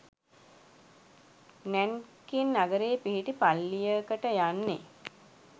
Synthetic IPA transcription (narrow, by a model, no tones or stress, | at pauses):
nænkinːaɡəɾeːpiɦiʈipalːijəkəʈəjanːe